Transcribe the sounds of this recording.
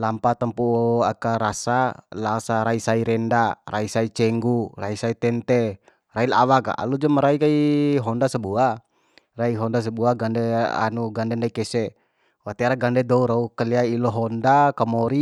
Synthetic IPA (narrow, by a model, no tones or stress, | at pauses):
lampat̪ampuakaɾasalasaɾaisaiɾɛndaraisait͡ʃɛŋɡuraisait̪ɛnt̪ɛ | raila̰waka̰ʔa̰lud͡ʒamaɾaikaiɦɔndasəbua | raiɦɔndas̬əbuaɡandɛa̰nuɡandɛndaikɛsɛ | wat̪ɛɾaɡandɛd̪ɔuɾaukəliailɔɦɔndakamɔɾi